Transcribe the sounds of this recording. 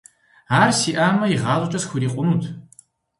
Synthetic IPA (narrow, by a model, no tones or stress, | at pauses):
aːrsiːʔaːmɐiʁɑːzʷʼt͡ʃʼɐsxʷʊɾiːqʷʼʊnutʰ